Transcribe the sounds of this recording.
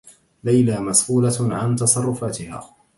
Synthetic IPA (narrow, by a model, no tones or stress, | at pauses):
lajlaːmasquːlaʕant̪ɑsˤɑrˤːʊfaːt̪ɪha̰ː